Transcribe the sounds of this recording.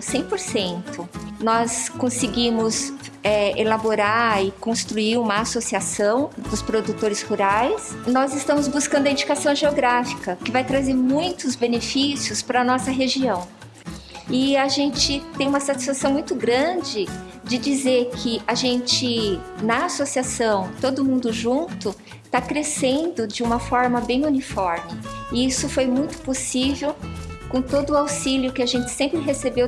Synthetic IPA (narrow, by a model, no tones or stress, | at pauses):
sẽj̃poɾsẽnt̪ʊnɔskõsɪɡimʊs | ɛelaboɾaɪkõst̪ɾuiɾũmɐasosiasɐ̃w̃d̪ʊspɾod̪ut̪oɾɪshuɾajsnɔzɪst̪ɐ̃mʊzbuskɐ̃nd̪ʊɐĩd͡ʒikasɐ̃w̃ʒeoɡɾafi̥kɐkɪvajt̪ɾazeɾmũj̃t̪ʊzbenefisjʊspɾɐnɔsɐɦeʒiɐ̃w̃ | ɪaʒẽnt͡ʃɪt̪ẽj̃ũmɐsat͡ʃi̥sfasɐ̃w̃mũj̃t̪ʊɡɾɐ̃d͡ʒɪ | d͡ʒɪd͡ʒizeɾkʰɪaʒẽnt͡ʃɪnɐasosiasɐ̃w̃t̪od̪ʊmũnd̪ʊʒũnt̪ʊ | t̪akɾesẽnd̪ʊd͡ʒɪũmɐfɔɾmɐbẽj̃unifɔɾmɪɪisʊfojmũj̃t̪ʊ̥posivewkõt̪od̪ʊawsiljʊkɪaʒẽnt͡ʃɪ̥sẽmpɾɪɦesebew